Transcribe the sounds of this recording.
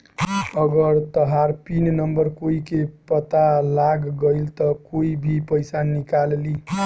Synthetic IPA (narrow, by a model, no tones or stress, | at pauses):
ʌɡʌɾt̪ʌɦaɾpinnʌmbʌɾkoikepʌt̪alaɡːʌjlt̪ʌkoibʱipʌjsanikalli